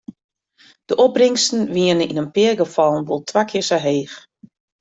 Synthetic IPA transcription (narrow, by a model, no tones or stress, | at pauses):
d̥əʔɔbrɪŋstn̩ʋiənəinənpɪərɡəfɑlˠnʋolˠtʰʋakʰɪərsaɦeːx